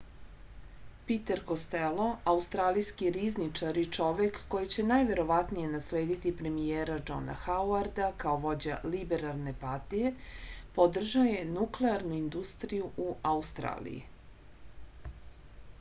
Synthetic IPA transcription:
pit̪eɾkost̪elo̞aust̪ɾaːlijskiɾiznit͡ʃaɾit͡ʃo̞ʋe̞kːo̞jit͡ɕe̞najʋe̞ɾo̞ʋat̪nije̞nasle̞ːd̪it̪ipɾe̞mijeːɾad͡ʒo̞̰na̰xawaɾd̪akaoʋo̞d͡ʑalibeɾalˠne̞paɾt̪ije̞pod̪r̩ʒaoje̞nukleaɾnuind̪ust̪ɾijuʔuaust̪ɾa̰ːlḭjḭ

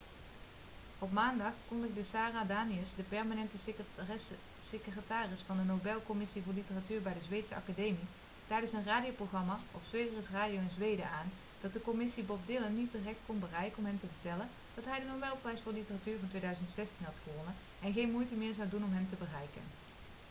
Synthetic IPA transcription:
ɔp̬maːndɑχkɔndəxdəsaːraːdaːniəsdəpɛɹmanɛntə | sekrətaːrɪsfɑndənobɛlˠkɔmɪsivʊːɹlitəratyːɹbɛjdəzʋejtsəɑ̰kadejmi | tɛjdənsənraːdijowprowχrɑmaːɔpsʋejdərəsraːdijowɪnzʋejdə̰aːn | d̥ɑt̚dəkɔmɪsibɔp̚dɪlənːit̚dirɛk̚t̚kɔnbərɛjkəɔmɦɛmtəvəɹtɛlən | d̥ɑtɦɛjdənowbɛlˠprɛjsfʊːɹdəlitəratyːɹvɑntʋejdœɥzəntsɛstinɦɑtχəʋɔnən | ɛnɣejnmujtəmɪːɹzɑwdunɔmɦɛmtəbərɛjkə̰n

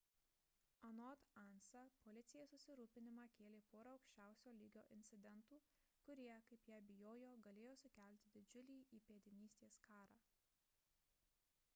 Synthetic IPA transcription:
ɐnɔt̪ɑnsɐpɔlʲɪt̪sʲɪjeːssʊsʲɪɾuːpʲɪnʲɪmɑkʲeːlʲeːpoːɾɐɐʊkʃʲt͡ʃʲæˑʊsʲoːlʲiːɡʲo̰ːʔɪnʲt̪sʲɪd̪ʲɛnt̪uː | kʊɾʲiɛkɐɪpjæːbʲɪjoːjoːɡɐlʲeːjoːsʊkʲælʲt̪ʲɪd̪ʲɪd͡ʒʲʊlʲiːʔiːpʲeɛd̪ʲɪnʲiːsʲt̪ʲeːskɑːɾɑː

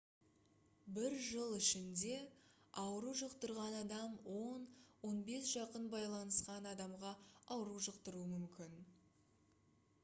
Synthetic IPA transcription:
bɪɾʒəlˠɪʃɪnd̪e̞ | ɑwəɾuʒəqt̪əɾʁɑnɑd̪ɑmwo̞nwo̞nbe̞sʒ̥ɑqənbɑjlˠɑnəsqɑnɑd̪ɑmʁɑɑwɾuʒəqt̪əɾuəmʏmkʲɪn

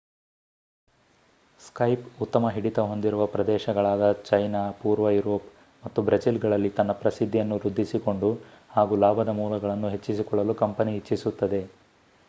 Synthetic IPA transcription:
skɐjput̪ːɐmɐɦiɽit̪ɐɦo̞nd̪iɾuʋɐpɾɐd̪ɛːʃɐɡɐɭaːd̪ɐt͡ʃɐjnaːpuːɾʋɐjuɾoːp | mɐt̪ːubɾɐsilɡɐɭɐlːit̪ɐnːɐpɾɐsid̪ʱːijɐnːuɾud̪ʱːisiko̞ɳɖuhaːɡulaːbʱɐd̪ɐmuːlɐɡɐɭɐnːuɦe̞t͡ʃːisikɔɭːɐlukɐmpɐniɦit͡ʃːisut̪ːɐd̪e̞

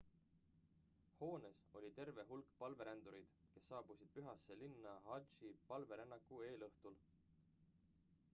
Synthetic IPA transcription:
ho̞ːne̞so̞lʲit̪e̞rve̞ɦulkpɑlve̞ɾend̪uɾid̪̥ke̞sːɑːb̥usid̪̥̚pyɦɑsːe̞linːɑhɑʒipɑlve̞ɾenːɑkːˑue̞ːlɤht̪ul

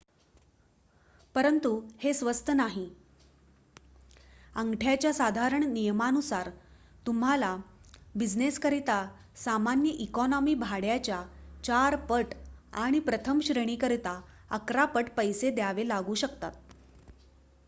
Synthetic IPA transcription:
pəɾənt̪uhesʋəst̪ʰənaɦi | əŋɡʈʰjat͡ɕjasad̪ʱaɾəɳnijəmanusaɾ | t̪um̤alabid͡ʑneskəɾit̪a | samanjəʔikɔnɔmiːbʱaɽjat͡ɕjat͡ɕaɾpəʈa̰ɽ̃ipɾət̪ʰəmɕɾəɽ̃iːkəɾit̪a | ə̰kɾapəʈpəjsed̪jaʋelaɡuːɕəkt̪at̪̚

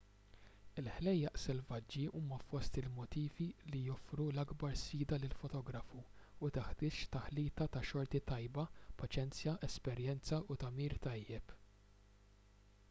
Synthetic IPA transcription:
ɪlħlɛjːɐʔsɛlvɐd͡ʒːiʔuːmɐfɔst̪ɪlmɔt̪iːvilijɔfɾulɐɡbɐɾsfiːd̪ɐlɪlfɔt̪ɔːɡɾɐfu | ʊt̪ɪħt̪ɪːt͡ʃt̪ɐħliːt̪ɐt̪ɐʃɔɾt̪it̪ɐjbɐpɐt͡ʃɛnt͡sjɐʔɛspɛɾjɛnt͡sɐʔʊt̪ɐmiːɾt̪ɐjːɛp

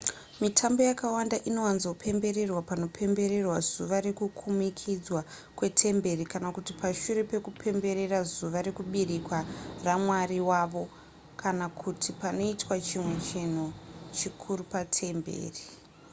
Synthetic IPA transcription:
mitʰambo̞jakawandaʔino̞wanzopʰe̞mbe̞ɾe̞rwapano̞pʰe̞mbe̞ɾe̞rwazuʋaɾe̞kukʰumikʰid͡zwa | kwe̞tʰe̞mbe̞rikanakutipaʃuɾe̞pe̞kupʰe̞mbe̞ɾe̞razuʋaɾe̞kuɓirikwaramwariwaʋo̞ | kʰanakʰutʰipano̞itwat͡ʃimwe̞t͡ʃin̤ut͡ʃikʰuɾupatʰe̞mbḛːri

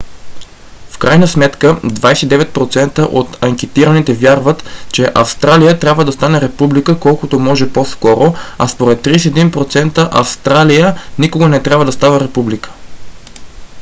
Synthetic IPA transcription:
fkɾajnəsmɛt̪kəd̪vajsɛ̥t̪id̪ɛvɛt̪̚pɾot̪sɛnt̪əʔot̪ɐŋk̟ɛt̪iɾənit̪ɛvʲjaɾvət̪t͡ʃɛʔɐfst̪ɾalijət̪ɾʲjabvəd̪ɐst̪anɛɾɛpublikəkɔlˠkʊt̪omɔʒɛposkɔɾoɐspoɾɛt̪ːɾisiɛd̪inpɾot̪sɛnt̪əʔɐfst̪ɾalijənikoɡənɛt̪ɾʲabvəd̪ɐst̪avəɾɛpublikə̥

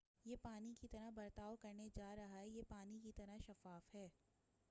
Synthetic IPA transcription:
jeːpaːnikit̪ɐɾabɐɾt̪aːokɐɾned͡ʒaːɾɐɦaɦɛjepaːnikit̪ɐɾaʃɐfaːfɦɛː

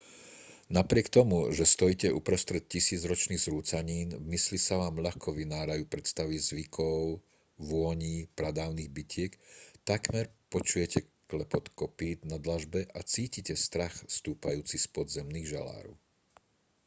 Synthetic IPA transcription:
napɾɪɛkt̪ɔmuʒɛst̪ɔjicɛʔupɾɔst̪ɾɛt̪̚cisiːd͡zɾɔt͡ʃniːɣzɾuːt͡saɲiːnvmislisaʋaːmʎaxkʰɔʋinaːɾajuːpɾɛt̪st̪aʋizʋikʰɔʊ | ʋʊɔɲiːpɾad̪aːʊniːɣbicɪɛkt̪akmɛɾpɔt͡ʃujɛcɛ | klɛpɔt̪kɔpiːd̪nad̪laʒbɛʔat͡siːcicɛst̪ɾaxst̪uːpajuːt͡sispɔd̪zɛmniːɣʒala̰ːɾṵ

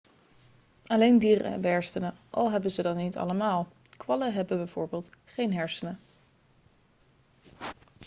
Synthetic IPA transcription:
ɑlejndiːrə̰bəɦɛɹstənəʔɑ̰lˠɦɛbəzədɑnːitɑ̰ləmaːlˠ | kʋɑləɦɛbəbɛjv̥ʊːɹbeːlˠtχejnɦɛɹsənə

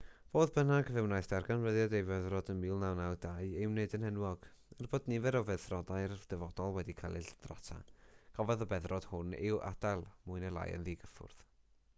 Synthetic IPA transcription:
voːðbənaɡəvɪwnajθd̥arɡanvəðjɔdejvɛðrɔdənmiːlˠnawnawdaɨɪwneɨdənhɛnwɔɡ̥ | ərboːdnɪvɛɾɔvɛðθrɔdaɨrd̥ɛvɔdɔlˠwɛdikʰalˠɨd̥ra̰tʰa̰ɡ̥ɔvɛðɔbɛðrɔd̥hʊnɪ̰wʔa̰d̥alˠmʊɨnəlˠa̰jə̰nðiɡəfʊ̰rð̥

